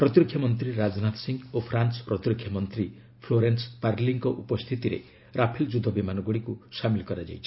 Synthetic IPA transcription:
pɾɔt̪ɾɔkʰːjɔmɔnt̪ɾiɾad͡ʒnat̪siŋɡopʰɾansɔ̥pɾɔt̪ɾɔkʰjɔmɔnt̪ɾi | pʰloɾenspaɾliŋkɔʔupɔst̪ʰit̪iɾḛ | ɾʔapʰild͡ʒud̪ʱɔbimanɔɡoɽikusamilkɔɾad͡ʒa̰jt͡ʃʰi̥

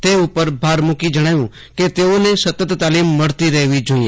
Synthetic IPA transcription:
t̪eʊpəɾbʱaːɾmʊkid͡ʒəɽ̃aːjũ | ket̪eːonesɐt̪ət̪t̪aːliːmːəɽt̪iɾɛːʋid͡ʒoːĩe

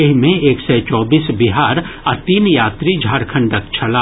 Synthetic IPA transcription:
ɪɦmẽeːksɛt͡ʃɔːbiːsbiɦaːɾɐt̪iːnjaːt̪ɾid͡ʒʱaːɾkʰə̃ɳɖəkt͡ʃʰɐlaː

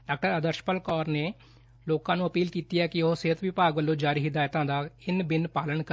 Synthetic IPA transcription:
ɖaːk̚ʈəɾəd̪əɾʃpəlkɔːɾneː | loːkãːnũːəpiːlkiːt̪iːɛːkɪoɦoseːət̪ʋɪpaːɡbəlːõːd͡ʒaːɾiːɦɪd̪aːjt̪ãːd̪aːɪnbɪnpaːlənkə

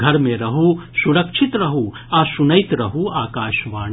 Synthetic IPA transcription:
ɡʱɐɾmẽɾɐɦusuɾɐkʃʰit̪ɾɐɦu | aːsunɐjt̪ɾɐɦuaːkaːʃʋaː

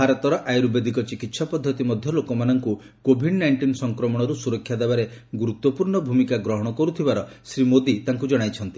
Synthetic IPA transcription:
ɦaɾɔt̪ɔɾɔʔajɾubed̪ʱikɔt͡ʃikit̪sɔpɔd̪ʱːɔt̪imɔd̪ʱjɔlokɔmanɔŋku | kobʱiɖnajɳʈinsɔŋkɾɔmɔɽ̃ɔɾusuɾɔkʰːjad̪ebaɾeɡuɾut̪wɔpuɾɳɔbʱumikaɡɾɔɦɔɽ̃ɔkɔɾut̪ʰibaɾɔsɾimod̪it̪aŋkud͡ʒɔɽ̃ajt͡ʃʰɔnt̪i̥

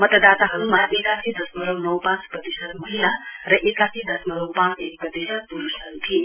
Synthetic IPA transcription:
mʌt̪ʌd̪at̪aɦɐɾumaʔekasid̪ʌsmʌɾʌwnʌwpãt͡spʌt̪isət̪̚mʌɦilaɾʌʔekasid̪ʌsmʌɾʌwpãt͡sek̚pɾʌt̪isəd̪̚puɾusɐɾut̪ʰi

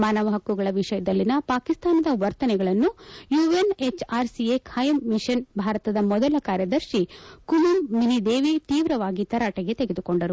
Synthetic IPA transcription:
maːnɐʋɐɦɐkːuɡɐɭɐʋiʂɐjɐd̪ɐlːinɐpaːkist̪aːnɐd̪ɐʋɐɾt̪ɐnɛɡɐɭɐnːujuːenet͡ʃaːɾsiekʰaːjɐmːiʃɐnbʱaːɾɐt̪ɐd̪ɐmɔd̪ɐlɐkaːɾjɐd̪ɐɾʃikumɐmːinid̪eːʋit̪iːʋɾɐʋaːɡit̪ɐɾaːʈɐɡet̪eɡe̞d̪uko̞ɳɖɐɾu

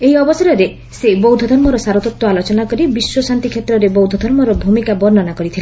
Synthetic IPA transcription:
eɦiɔbɔsɔɾɔɾe | sebɔwd̪ʱɔd̪ʱɔɾmɔɾɔsaɾɔt̪ɔt̪wɔalot͡ʃɔnakɔɾibiswɔsant̪ikʰet̪ɾɔɾebɔwd̪ʱɔd̪ʱɔɾmɔɾɔbʱumikabɔɾnɔnakɔɾit̪ʰile

